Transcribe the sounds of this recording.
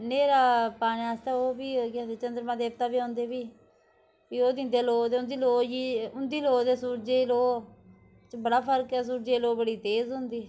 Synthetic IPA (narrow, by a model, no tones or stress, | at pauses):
neːɾaːpaːɽ̃eːaːst̪ɛːoːbiːkːd̪et͡ʃənd̪əɾmãːd̪eːp̚t̪aːbiːõːnd̪eːbiː | piːoːd̪ɪ̃nd̪eːloːd̪eːʊnd̪iːloːd͡ʒiːʊnd̪iːloːd̪eːsuːɾd͡ʒeːloː | t͡ʃbəɽaːpʰəɾkɛːs̬uːɾd͡ʒeːloːbəɽiːt̪eːzɦʊ̃nd̪iː